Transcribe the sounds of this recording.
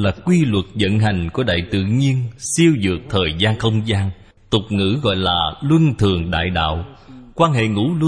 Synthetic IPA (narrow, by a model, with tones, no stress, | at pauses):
laː˨˩kwi˧lwə˨˩t̚zə̰˧˨nɦa˨˩jŋ̟ku˨˧˦əɗa̰ː˧˨jt̪ɨ̰˧˨ɲi˧ənsi˧əwzɨ̰˨˩ək̚t̪ʰəː˨˩jzaː˧nxə˧wŋ͡mzaː˧n | t̪ʊ˨˩k͡p̚ŋɨ̰˧˥ɣɔ̰˧˨jlaː˨˩lwə˧nt̪ʰɨ˨˩əŋɗa̰ː˧˨jɗa̰ː˧˨wkwaː˧nɦḛ˧˨ŋṵ˧˥l